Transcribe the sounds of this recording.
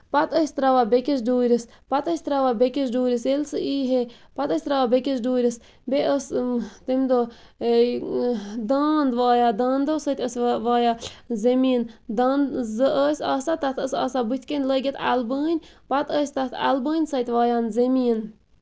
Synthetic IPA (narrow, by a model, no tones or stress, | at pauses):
pat̪əsʲt̪ɾaʋabekʲes̬duːɾʲis | pat̪əsʲt̪ɾaʋabekʲiʃ̬ɖuːɾʲiselsɨʔiːɦe | pat̪əsʲt̪ɾaʋabekʲeʃ̬duːɾʲis | beəst̪emd̪o | d̪aːnd̪ʋɑːjad̪aːnd̪osət̪ʲəsʋaːjazemiənd̪nzəəsʲɑːsat̪ɐt̪ʰəsɑ̰ːsabut̪ʰʲkʲənʲləɡʲet̪ʰa̰lbəːnʲpat̪əːsʲt̪at̪ʰa̰lbəːnʲsɐt̪ʲʋɑːjaːnzemijən